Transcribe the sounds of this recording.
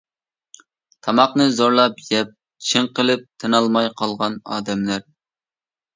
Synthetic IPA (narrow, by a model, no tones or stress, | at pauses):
t̪ʰɑmɑqnɨzoɾlˠɑpjɛp̚ | t͡ʃʰɪŋqəlˠɨp̚t̪ʰɨnɑlˠmɑjqʰɑlˠʁɑnɑ̰ːd̪ɛmlæɾ